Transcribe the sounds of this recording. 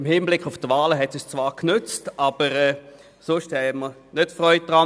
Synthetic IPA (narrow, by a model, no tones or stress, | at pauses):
ɪmhiːnblɪkʰːʊftvaːləɦɛtsɪst͡svaːʁknʏt͡stʔab̥əʁɛː | sʊʃthɛmə | nøtfʁœʏt̚d̥ʁa